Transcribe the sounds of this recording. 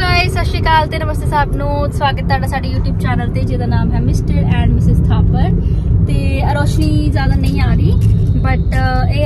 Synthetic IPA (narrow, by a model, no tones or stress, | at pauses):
soeːsəʃeːkaːlt̪eːnəməst̪eːsaːbnũːswaːɡət̪̚ːaːɖaːsaːɖeːjuːʈjuːbt͡ʃɛːnəlt̪eːd͡ʒeːd̪aːnaːmɦɛːmɪsʈəɾɛ̃ːɳɖmɪsɪzkʰaːpəɾt̪eːəɾoːʃniːzjaːd̪aːnəĩːaːɾiːbəʈeː